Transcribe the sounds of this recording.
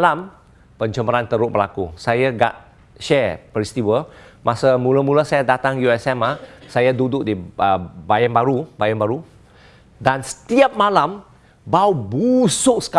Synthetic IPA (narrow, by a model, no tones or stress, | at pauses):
lam | pəɲt͡ʃəməɾant̪əɾʊʔ̚bəla̰kusajaɡa̰t̚ | ʃɛpɾist̪iwəmʔasamuləmulasajadat̪aŋjuɛsɛmahsajadudʊk̚diəbajanbaɾubajanbaɾu | dansə̥t̪iap̚malam | bawbusʊʔ̚sə̥ka